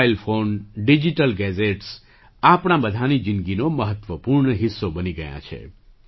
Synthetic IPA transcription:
ilfonɖid͡ʒiʈəlɡɛd͡ʒeʈs | apɳ̃ãbəd̪ʱanid͡ʒinɡinoməɦət̪ʋəpuɾɳəɦisːobəniɡəjã̰t͡ʃʰḛ

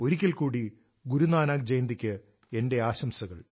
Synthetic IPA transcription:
o̞ɾikʲːɐlkuːɽi | ɡuɾunaːnaːk̚d͡ʑejnd̪ikʲːɨ | e̞nde̞aːɕɐmsɐɣɐɭ

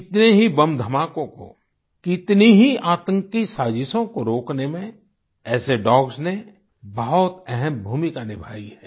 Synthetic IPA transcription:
ɪt̪neɦibɐmd̪ʱəmaːkõko̰ | kɪt̪niɦiaːt̪ə̃ŋkisaːd͡ʒɪsõkoɾoːknemẽ | ɛːseɖɔːɡsne | bɐɦʊt̪ɛɦɛmbʱuːmikanɪbʱa̰ːiɦɛː

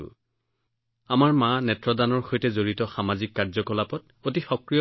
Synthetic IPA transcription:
amaɹmãnɛtɹɔdanɔɹxojtɛzoɹitɔxamazikːaɹzɔkɔlapɔt | ot̬ixɔkɹiɔ

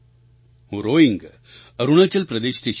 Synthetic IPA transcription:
hõɾoːiŋɡ | ɐɾuɳ̃ɐt͡ɕɐlpɾɐd̪eːɕt̪eʃ

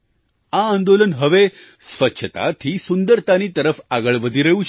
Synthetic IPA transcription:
aːnd̪olənɦəʋe | sʋətːɕʰət̪a̰t̪ʰiːsund̪əɾt̪aniːt̪əɾəfaɡəɭʋəd̪ʱiːɾəuːt͡ɕ

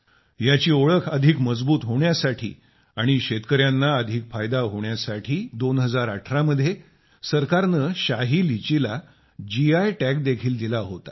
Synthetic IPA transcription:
jat͡ɕiːoɭəkʰəd̪ʱikməd͡zbuːt̪ɦoɳjasaʈʰḭː | aɽ̃iɕet̪kəɾjanːaəd̪ʱikfajd̪aɦoɳjasaʈʰiːd̪onɦəd͡zaɾaʈʰɾaməd̪ʱje | səɾkaɾnəɕaɦiːlit͡ɕila | d͡ʑiajʈæk̚d̪ekʰiːld̪ilaɦot̪ḁ

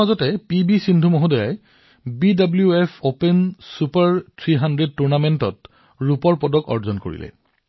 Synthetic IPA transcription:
azɔtɛpibisindʱumoɦɔdɔja̰j | bidabljuepʰopensupaɹtʰɹiɦandɹed̚tuɹnamentɔt | ɹupɔɹpɔdɔkɔ̰ɹzɔnko̰ɹḭlɛ̰

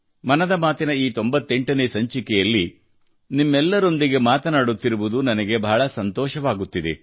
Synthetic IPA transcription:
mɐnɐd̪ɐmaːt̪inɐiːt̪o̞mbɐt̪ːe̞ɳʈɐneːsɐɲt͡ʃikɛjɐlːi | nimːɛlːɐɾo̞nd̪iɡe̞maːt̪ɐnaːɽut̪ːiɾuʋud̪unɐnɐɡe̞bɐɦːɭɐsɐnt̪ɔːʃɐʋaːɡut̪ːid̪ḛ

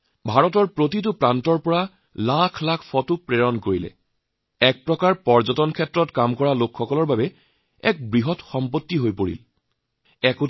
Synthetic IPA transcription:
bʱaɹɔtɔɹpɹotit̬ʊpɹantɔɹpɔɹa | lakʰlakʰfɔtʊpɹeɹɔnkoɹilɛ̰ | ɛk̚pɹɔkaɹpɔɹzɔtɔnkʰɛtːɹɔtkamkɔɹalokʰxɔkɔlɔɹbabɛ | ɛ̰k̚bɹiɦɔtxɔmpotːiɦojpoɹḭl | ɛkʊ

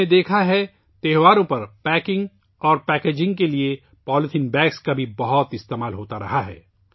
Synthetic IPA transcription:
ed̪eːkʰaɦɛ | t̪ɛɦʋaːɾõpɐɾpɛːkɪ̃ŋɡ | ɔːɾpɛːkeːd͡ʒɪ̃ŋɡkelie | pɔːlɪt̪ʰɪ̃nbɛːkskabʱibɐɦʊt̪ɪst̪eːmaːlɦoːt̪aɾɐ̰ɦaɦɛ̰ː

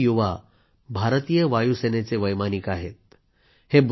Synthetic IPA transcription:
juʋa | bʱaɾt̪ijəʋajusenet͡seʋəjmanikaɦet̪̚ | heb

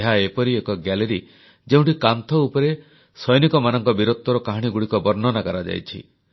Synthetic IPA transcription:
eɦaepɔɾiekɔɡaleɾi | d͡ʒeũɳʈikant̪ʰɔupɔɾe | sɔjnikɔmanɔŋkɔbiɾot̪ːɔɾɔkaɦaɽ̃iɡuɽikɔbɔɾnɔnakaɾad͡ʒa̰jt͡ʃʰḭ

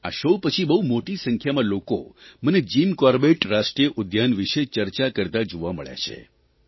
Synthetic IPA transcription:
a̰ʃopət͡ʃʰibəɦumoʈisəŋkʰjamãloko̰məned͡ʒimkɔɾbeʈɾaʃʈɾijəʔʊd̪janʋiʃet͡ʃəɾt͡ʃakəɾt̪ad͡ʒoʋaməɭja̰t͡ʃʰḛ

